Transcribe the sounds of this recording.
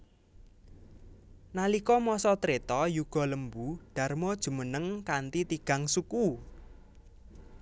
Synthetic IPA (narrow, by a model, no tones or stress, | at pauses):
nalikɔmɔsɔt̪ɾet̪ɔjuɡ̥ɔ̤ləmbuɖ̥a̤rmɔd̥ʒ̥ṳmənəŋkant̪it̪iɡ̥a̤ŋsuku